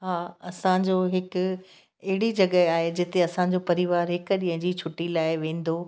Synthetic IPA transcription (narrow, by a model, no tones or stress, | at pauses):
ɦaːɐsãd͡ʑoːɦɪkʊ | ɐɦɪɽid͡ʑɐɠəaːɦed͡ʑɪt̪eɐsãd͡ʑopɐɾiʋaːɾɦɪkɗiɦə̃ɲd͡ʑiːt͡ɕʰʊʈːilaːɪʋẽːn̆d̪o